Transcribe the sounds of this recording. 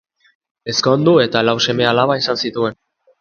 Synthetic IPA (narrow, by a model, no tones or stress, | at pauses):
e̞sko̞nd̪ue̞t̪alawse̞me̞alaβaisansit̪ue̞n